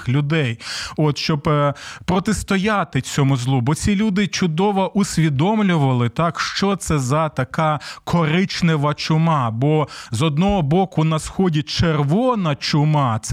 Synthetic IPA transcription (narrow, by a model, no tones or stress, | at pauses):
lʲʊd̪ɛjɔt̪ʃt͡ʃɔbpɾɔt̪est̪ɔjɑt̪ɪt͡sʲɔmʊzlˠubɔt͡sʲilʲud̪ɪt͡ʃʊd̪ɔʋɔʔʊsʲʋʲid̪ɔmlʲʊʋɐlˠɪt̪ɑkʃt͡ʃɔt̪sɛzɐt̪ɐkɑkʰɔɾɪt͡ʃnɛʋɐt͡ʃʊmɑbɔzɔd̪nɔɦɔbɔkʊnɐsxɔdʲit͡ʃerʋɔnɐt͡ʃʊmɑt̪s